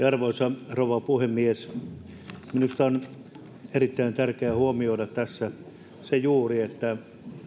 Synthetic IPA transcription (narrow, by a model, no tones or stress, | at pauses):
ɑrʋosɑroʋɑpuhemːies | minust̪ɑon | erit̪ːæint̪ærkeæhuomioiɾɑtt̪æsːæ | sejuːriet̪ːæ